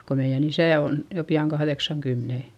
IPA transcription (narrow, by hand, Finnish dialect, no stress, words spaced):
ko meij̆æn isæˑ on jo piɑŋ kɑhðeksɑŋkymːene